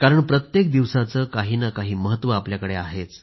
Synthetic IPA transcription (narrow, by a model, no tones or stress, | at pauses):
kaɾəɳpɾət̪jek̚d̪iʋsat͡səːkaɦiːnakaɦiːməɦət̪ːʋəapljakəɽeaɦet͡s